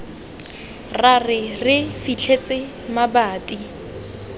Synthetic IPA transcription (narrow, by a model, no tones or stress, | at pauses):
rarɪrɪfit͡ɬʰet͡sʼɪ | mabaːtʼi